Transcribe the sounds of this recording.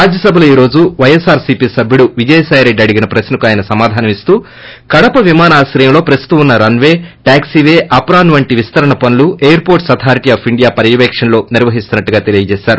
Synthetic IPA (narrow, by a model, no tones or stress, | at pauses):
ɾaːd͡ʒjɐsɐbʱɐluiːɾo̞ːd͡ʒuʋɐjesaːɾsipiːsɐbʱjuɽuʋid͡ʒɐjɐsaːjɾe̞ɖɐɽiɡinɐpɾɐsnɐkuaːjɐnɐsɐmaːd̪ʱaːnɐmist̪uː | kɐɽɐpɐʋimaːnaːsɾɐjɐmlo̞ːpɾɐst̪t̪uunːɐɾɐnʋe̞ːʈaːksiʋeːʔɐpɾaːnʋɐɳʈiʋist̪ɐɾɐɳɐpɐnulueːjɐɾpoːɾʈsɐt̪ʰaːɾiʈiaːpʰiɳɖijaːpɐɾijɐʋɛːkʂɐnlo̞ːniɾʋɐɦist̪unːɐʈːuɡaːt̪e̞lijɐd͡ʒɛːʃaːɾu